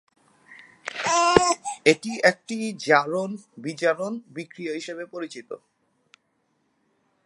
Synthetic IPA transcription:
eʈiek̚ʈid͡ʑaɾonbit͡ɕaɾonbikɾioɦiʃeβepoɾit͡ɕit̪o̰

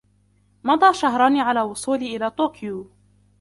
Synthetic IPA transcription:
mɑd̪ˤɑːʃaɦɾˤɑniːʕalaːwʊsˤuːliːʔɪlaːt̪oːkjuː

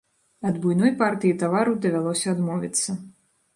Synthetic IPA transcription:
ɐd̪bujnɔjpart̪ɨjit̪avaɾɐwd̪ɐvʲalˠɔsʲɐːd̪mɔvʲḭt̪sːɐ

